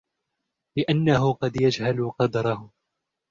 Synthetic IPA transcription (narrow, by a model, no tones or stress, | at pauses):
lɪʔanːaɦʊqɑd̪jad͡ʒhalʊqɑd̪ɾˤɑhʊ